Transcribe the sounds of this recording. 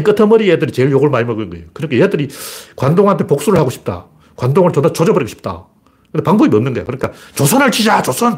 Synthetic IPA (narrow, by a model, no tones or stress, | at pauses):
ik͈ɯtʰʌmʌɾiedɯɾit͡ɕe̞ɭjoɡuɭmaɲimʌɡɯnɯnɡʌejokɯɾɯkʰejedɯɾikwandoŋɦantʰepok̚s͈uɾɯɭhaɡoɕʰi̥p̚t͈a̰ | kwandoŋɯɭt͡ɕʌnat͡ɕod͡ʑʌbʌɾiɡoɕʰi̥p̚t͈a̰ | kkɯnde̞paŋbʌbiʌmnɯnŋɡʌjo̰kɯɾɯɲik͈at͡ɕosʰʌnɯɭt͡ɕid͡ʑat͡ɕosʰʌn